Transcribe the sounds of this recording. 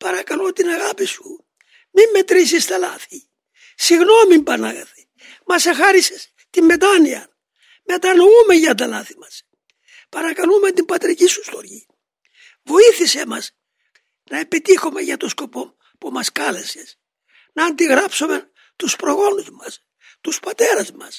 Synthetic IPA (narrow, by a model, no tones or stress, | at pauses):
pɐɾɐkɐlot̪inɐɣɐpisu | mimːe̞t̪ɾis̬ist̪elɐθi | siɣno̞mimbɐnɐɣɐθi̥ | mɐsexɐɾises | t̪imːe̞t̪ɐniɐ | me̞t̪ɐno̞umeʝɐt̪ɐlɐθi̥mɐs | pɐɾɐkɐlument̪imbɐt̪ɾicisust̪o̞ɾʝi | vo̞iθisemɐs | nɐe̞pit̪ixome̞ʝɐt̪o̞sko̞po̞ | pumɐskɐle̞ses | nɐːnd̪iɣɾɐpsome̞ | t̪uspɾo̞ɣo̞nuzmɐs | t̪uspɐt̪e̞ɾɐzmɐs